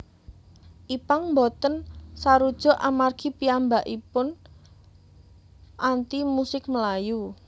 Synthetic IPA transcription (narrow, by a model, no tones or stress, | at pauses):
ʔipaŋmbɔt̪ənsaɾud̥ʒ̥ɔ̤ʔamarɡ̥i̤piambaʔipʊn | ʔant̪imusɪk̚məlaju